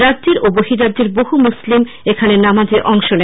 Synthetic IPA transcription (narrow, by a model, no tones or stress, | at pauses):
ɾadʑeɾoboɦiɾadːd͡ʑeɾboɦumuslim | ekʰanenamad͡ʑeʔɔŋʃonɛ